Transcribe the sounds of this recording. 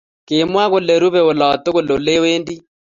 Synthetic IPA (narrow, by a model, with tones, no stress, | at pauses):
ke˨mwa˦ɣʊ˨le˨ɾu˦βɛ˨o˨lɔ˨to˦ɣo˨lo˨le˦weː˦ndi˦